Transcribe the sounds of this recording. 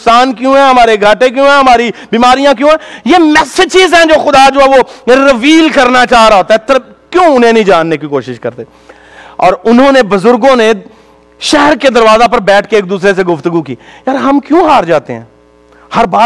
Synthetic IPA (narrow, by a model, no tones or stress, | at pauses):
saːnkjũːɦɛ̃ɦɐmaːɾeɡʱaːʈẽk̬jõːɦɛ̃ːɦɐmaːɾibiːmaːɾijãk̬jõːɦɛ̃ːjeːmɛːsɪt͡ʃɪzɦɛ̃d͡ʒoːxʊd̪ad͡ʒoːɦɛːʋoɾəʋiːlkɐɾnat͡ʃaːɦɾaɦoːt̪aɛt̪ʰːəɾ | kjõːʊn̤ẽnɐĩd͡ʒaːnːekikoːʃɪʃkɐɾt̪eː | ɔːɾʊnɦõːnebʊzʊɾɡõːne | ʃɛɦəɾked̪ɐɾʋaːzap̬ɐɾbɛːʈʰkeːk̚d̪uːsɾes̬eɡʊft̪əɡukḭːjaːɾɦɐmkjõːɦaːɾd͡ʒaːt̪ḛɦɛ̰̃ː | hɐɾbaː